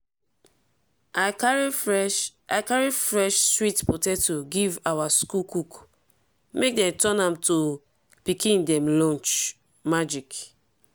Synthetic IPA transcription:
aaɹi | aɪkaɹifɹɛʃstɹitpɔtɛtuɡivawaskukuk | mek̚dɛ̃mtɔ̃nãmto | pikĩndɛ̃mlɔ̃nt͡ʃ | mad͡ʒik

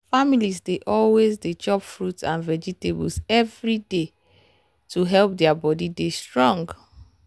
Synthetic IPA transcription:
familizdeʔɔlwezdet͡ʃɔpfɹutsãnvɛd͡ʒitebṵlsɛvɹide | tʰuɦɛlp̚dɛabɔdidestɹɔ̃ŋɡ

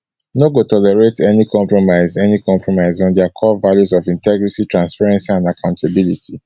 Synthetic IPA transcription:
noɡotɔlɛɹetɛnikʰɔ̃mpɹɔmaɪzɛnikʰɔ̃mpʰɹɔmaɪzɔ̃ndɛakʰɔvaljuzɔvĩntɛɡɹititɹãnspaɹɛ̃nsiãndakʰãʊ̃ntʰabilitʰi

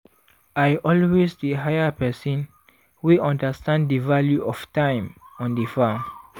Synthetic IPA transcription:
ajʔɔlwesdəɦajəpɛsɔ̃n | wiʔãndəstãnddəvaljuʔɔftãɪ̃mɔ̃ndəfãm

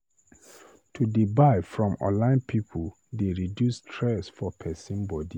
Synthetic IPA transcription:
tʰudibaɪfɹɔ̃mɔ̰̃lãɪ̃npʰipʰu | deɹidjustʰɹɛsfɔpʰɛsĩnbɔdi

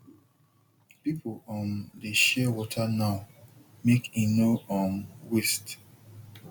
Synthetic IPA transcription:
pipʰoɔ̃ndeʃɛwɔtʰanaʊ | mekinoɔnwist

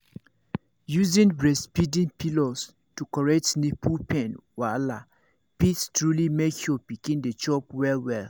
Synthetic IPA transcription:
juzĩnbɹɛspidĩnpʰilɔs | tukɔɹɛk̚tnipʰupʰɛ̃nwala̰ | pitstɹulimekʰjɔpikĩndet͡ʃɔpwɛlwɛl

